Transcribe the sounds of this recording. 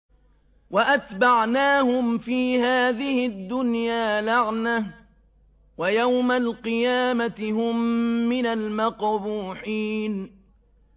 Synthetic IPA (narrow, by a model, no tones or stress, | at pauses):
waʔat̪baʕnaːhʊmfiːhaːðɪhɪd̪ːʊnjaːlaʕnah | wajawmalqɨjaːmat̪ɪɦʊmːɪnalmɑqbuːħiːn